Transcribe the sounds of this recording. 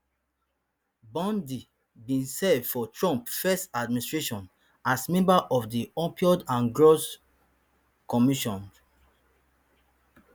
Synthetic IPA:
bɔ̃ndi | bĩnsɛdfɔtɹɔ̃mpfɛstadmĩnistɹeʃɔ̃n | asmɛ̃mbaʔɔfdiɔ̃pʰiɔdãnɡɹos | kɔmiʃɔ̃n

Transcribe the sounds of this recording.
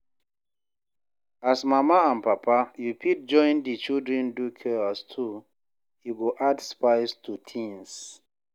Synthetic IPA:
asmamaãnpapʰajupit̚d͡ʒɔ̃ɪ̃ndit͡ʃildɹɛ̃ndukʰɛastʰu | juɡoʔadspaɪstʰutʰĩŋs

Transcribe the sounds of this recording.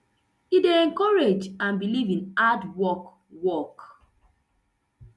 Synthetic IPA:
ideɛ̃ŋkɔɹed͡ʒãnbilivĩnadwɔk | wɔk

